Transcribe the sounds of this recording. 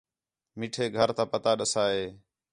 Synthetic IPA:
miːʈʰeːɡʱəɾt̪ãːpət̪aːɗəsaːɦeː

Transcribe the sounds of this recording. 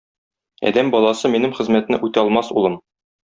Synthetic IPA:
æ̰d̪æmbɒlˠɑsɤminɘmχɘ̆zmæt̪nɘ̰ʔʉt̪æɒlˠmɑsṵlˠɤm

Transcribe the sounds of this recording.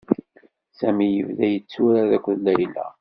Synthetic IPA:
sæmijə̰vðæjət͡sːuɾaðækʷːðlæɾilæ̰

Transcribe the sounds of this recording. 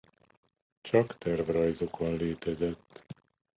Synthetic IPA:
t͡ʃɒkt̪ɛrvrɒjzo̞kʰonleːt̪ɛzɛt̪ː

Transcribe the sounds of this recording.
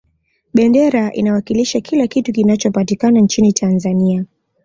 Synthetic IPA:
ɓɛndɛɾaʔḭnawakiliʃakʰilakitukinat͡ʃɔpatikanant͡ʃinitʰanzania

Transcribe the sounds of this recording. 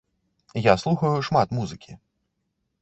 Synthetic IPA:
jaslˠuxɐjuʂmat̪muzɨkʲi

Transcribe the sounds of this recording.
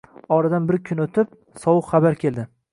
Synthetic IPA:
ɒɾad̪anbɪɾkʲʰʊnot̪ʰɪp̚ | sɒwɨqχɑbaɾkʲʰe̞ld̪ɪ

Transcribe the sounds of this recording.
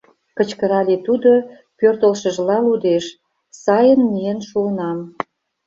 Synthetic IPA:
kət͡ɕkəɾɑlet̪ud̪o | pørt̪əlʃə̆ʒlɑlud̪eʃ | sɑjənmijenʃuənɑm

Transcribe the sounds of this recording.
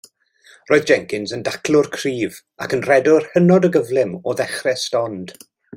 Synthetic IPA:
roːɨðd͡ʒɛŋkɪnzəndakʰlˠʊrkʰriːv | akənrɛdʊrhənɔdəɡəvlˠɪmɔðɛχrɛstɔnd̥

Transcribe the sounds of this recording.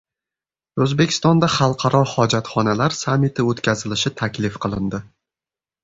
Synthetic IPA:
ɵzbe̞kʲʰɪ̥st̪ɒnd̪aχɑlˠqʰɑɾɒhɒd͡ʒat̪χɒnalaɾsamːit̪ʰɪot̪kʲazɪlɪʃɪt̪ʰakʲlɪfqʰɨlˠɪnd̪ɪ

